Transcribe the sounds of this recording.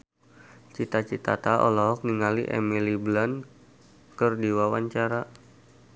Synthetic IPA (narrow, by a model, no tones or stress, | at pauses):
t͡ʃit̪at͡ʃit̪a̰t̪aʔɔ̰lɔɦɔk̚niŋaliʔɛ̰miliblan | kərdiwawaɲt͡ʃaɾa